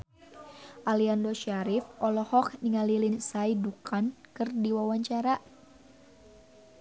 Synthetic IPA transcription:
ʔaliandɔʃaɾifɔlɔhɔkniŋalilinsaidukʰankɨrdiwawaɲt͡ʃaɾa

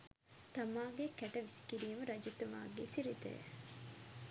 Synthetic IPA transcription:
t̪ɐmaːɡekɛʈɐʋisi̥kiɾiːmɐɾɐd͡ʒut̪uʋa̰ːɡesiɾit̪ḛj̰

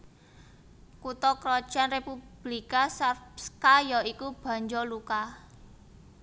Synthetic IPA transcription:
kut̪ɔkɾɔ̥ʒ̥anrepub̥likasskajɔikub̥a̤ɲd͡ʒɔluka

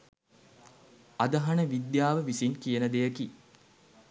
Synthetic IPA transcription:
ad̪ɐɦanəʋid̪jaːʋəʋisinkijənəd̪ejəki

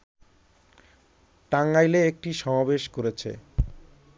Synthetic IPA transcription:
ʈaŋajleek̚ʈiʃɔmabeʃkoɾet͡ɕʰḛ

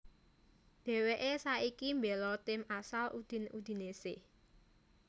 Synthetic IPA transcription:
d̪̥ɛ̤weʔesaikimbelɔt̪ɪmasalʔṵd̪̥i̤nṵd̪̥i̤nesɪh

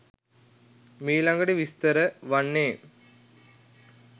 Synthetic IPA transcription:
miːlɐŋɡɐɽeʋist̪ɐɾəʋɐɳːeː

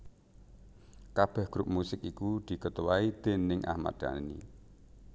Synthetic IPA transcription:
kab̥ɛ̤hɡ̥ɾup̚musɪkikud̪̥i̤kət̪uwaid̪̥e̤nɪŋʔa̰hma̰t̪̚d̪̥a̰nḭ

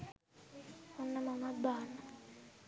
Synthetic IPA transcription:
unamamadaːna

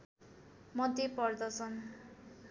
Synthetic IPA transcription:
mʌd̪epʌrd̪ʌsʰʌn

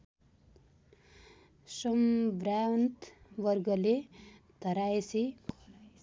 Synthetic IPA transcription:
sʌmbɾawnt̪ʋʌɾɡʌlet̪ʌɾaesi

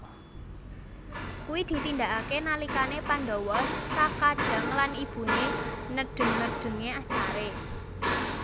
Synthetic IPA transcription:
kuwid̪̥i̤t̪ind̪aʔakenalikanepand̪ɔwɔsːakḁd̥a̤ŋlanib̥ṳnenəɖ̥ə̤ŋnəɖ̥ə̤ŋeasaɾe

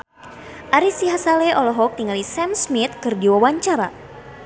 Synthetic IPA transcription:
ʔaɾisiɦasaleʔɔlɔɦɔk̚t̪iŋalisɛmsmit̪̚kɨrdiwawaɲt͡ʃaɾa

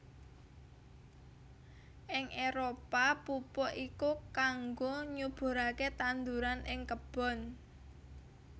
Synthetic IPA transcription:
ʔɪŋʔeɾopapupɔʔikukaŋɡoɲub̥o̤ɾaket̪and̪uɾanʔɪŋkəb̥ɔ̤n

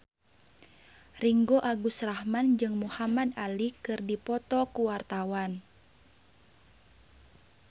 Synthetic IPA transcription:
riŋɡoʔaɡusrahmand͡ʒɨŋmuhamadalikɨrdipɔt̪ɔkuwart̪awan

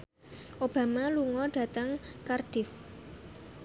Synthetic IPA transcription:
ʔob̥ä̤maluŋɔɖ̥ä̤t̪əŋkarɖ̥ɪf

